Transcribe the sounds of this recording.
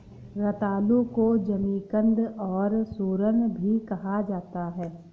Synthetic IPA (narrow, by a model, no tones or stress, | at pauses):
ɾɐt̪aːlukod͡ʒɐmiːkə̃nd̪ɔːɾsoːɾənbʱikɐɦad͡ʒaːt̪aɦɛː